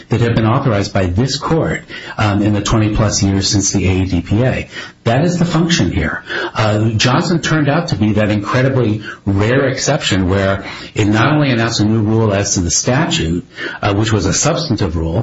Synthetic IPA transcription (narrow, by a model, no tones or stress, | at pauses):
ðɨt̚hɨd̚bɨ̃nɔθə˞aɪzbaɪðɪskʰɔɹɾɨ̃nðɨtʰw̥ɛ̃ɾ̃ipʰl̥ʌsjɪɹz̥sɪ̃nsðieɪdipʰieɪðɨɾɨzðəfʌ̃ŋkʃɨ̃nhḭɹ | d͡ʒɑ̃nsɨ̃ntʰɜ̃˞ndaʊtʰɨbiðɨɾɨ̃nkʰɹ̥ɛɾɨbliɹɛɹɨksɛpʃɨ̃nwə˞ | ɨtⁿnəɾõʊ̃nliɨnãʊ̃nsɨnuɹulˠɨz̥tʰɨðɨstæt͡ʃʉt̚wɨt͡ʃwʌzəsʌb̥stn̩tɨvɹulˠ